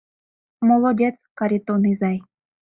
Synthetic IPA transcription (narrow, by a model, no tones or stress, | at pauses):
molˠodʲet͡skaɾʲit̪onɨzaj